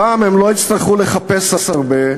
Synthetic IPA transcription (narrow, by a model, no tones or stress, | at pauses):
aːmemlo̞it̪st̪aʁχuleχapeshasaʁbe